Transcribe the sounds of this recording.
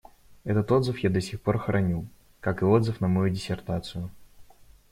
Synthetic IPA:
ɛt̪ət̪o̞d̪zɨfjad̪ɐsʲɪxpo̞rxɾʔɐnʲu | kakɨo̞d̪zɨfnəmɐjudʲɪsʲɪrt̪at̪sɨjʊ

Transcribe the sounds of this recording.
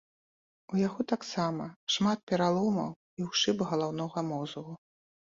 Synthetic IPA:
ujaɣɔt̪aksamɐʂmat̪̚pʲɛɾalˠɔmɐ̰w | iwʂɨbɣɐlˠawnɔɣɐmɔzɣu

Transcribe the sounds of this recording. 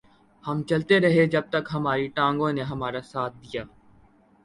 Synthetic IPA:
hɐmt͡ʃɐlt̪eɾɐɦed͡ʒɐb̚t̪ɐkɦɐmaːɾiʈãːŋɡõneɦɐmaːɾasaːt̪̚ʰd̪ijaː

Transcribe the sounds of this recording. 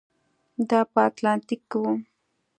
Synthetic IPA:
d̪ɑpəat̪lɑnt̪ɪkːwu

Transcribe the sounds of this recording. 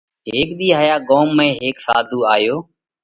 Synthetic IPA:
ɦeːkɗ̪iːɦəːjaːɠoːmːẽːɦeːksa̰ːd̪ʱuːaːjoː

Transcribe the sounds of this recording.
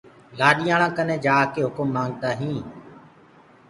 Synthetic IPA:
laːɗɪjãːɽãːkənẽːd͡ʒaːkeːɦʊkʊmːãːŋɡ̚t̪aːɦĩː

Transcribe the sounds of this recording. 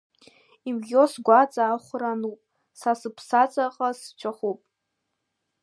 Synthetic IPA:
imɡʲosɡʷat͡sʼaːχʷranupʼ | sasɨpʰsat͡sʼaqʼast͡ʃʷʰaχupʼ

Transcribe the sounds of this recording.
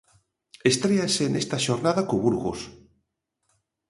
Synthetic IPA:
est̪ɾeaseːnest̪aʃoɾnaðakoβuɾɣo̰s

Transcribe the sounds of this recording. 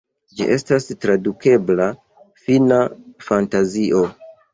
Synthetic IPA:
d͡ʒḭʔe̞stastɾaduke̞bla | finafantaziʔo̞

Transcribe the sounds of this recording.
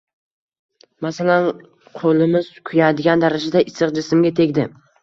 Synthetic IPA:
masalan | qʰolɪmɪz̥kʰʊjad̪ɪɡʲand̪aɾad͡ʒad̪aʔɪsɨqd͡ʒɪsɪmɡʲat̪ʰekʲd̪ɪ

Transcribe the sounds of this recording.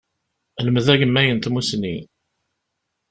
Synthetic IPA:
ləməðæʝəmːæjənt̪musni

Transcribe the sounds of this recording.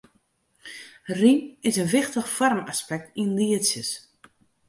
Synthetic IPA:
riɪsənʋɪxtəxfɔrma̰spɛk̚tinliətsjəs

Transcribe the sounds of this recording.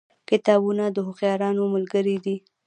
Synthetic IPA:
kɪt̪ɑbunad̪əɦʊqjɑɾɑnoməlɡəɾid̪i

